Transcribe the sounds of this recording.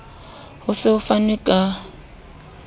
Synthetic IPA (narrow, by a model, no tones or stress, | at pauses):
hʊsɪʊfanɛkʼa